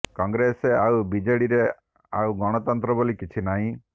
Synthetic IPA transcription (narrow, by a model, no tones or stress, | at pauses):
kɔŋɡɾeseawbid͡ʒeɽiɾe | awɡɔɽ̃ɔt̪ɔnt̪ɾɔbolikit͡ʃʰinaɦĩ